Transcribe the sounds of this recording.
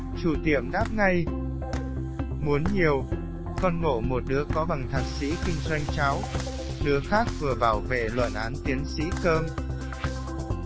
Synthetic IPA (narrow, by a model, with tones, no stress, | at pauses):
t͡ɕu˧˩t̪i˧˩əmɗaː˦˥p̚ŋa˧j | mu˨˦ənɲi˨˩əw | kɔ˧nŋo̰˧˩mo˨˩t̚ɗɨ˨˦əkɔ˨˦va˨˩ŋt̪ʰaː˨˩t̚sḭ˧˥kï˧ŋ̟zwa˧jŋ̟t͡ɕa˨˦w | ɗɨ˨˦əxaː˦˥k̚vɨ˨˩əvaː˧˩wvḛ˧˨lwə̰˧˨nʔaː˨˦nt̪i˨˦ənsḭ˧˥kəː˧m